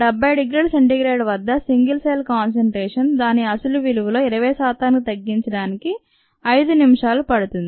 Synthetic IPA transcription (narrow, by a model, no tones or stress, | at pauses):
ɖɛbːɐjɖiɡɾiːɽseɳʈiɡɾeːɖʋɐd̪ːɐsiŋɡilseːlkaːns̬ɐɳʈɾɛːʂɐnd̪aːniɐsuluʋiluʋulo̞ːiɾɐʋɐjsaːt̪aːnkt̪ɐɡːiɲt͡ʃɐɽaːniki | ɐjd̪unimɐʂaːlupɐɽut̪und̪ii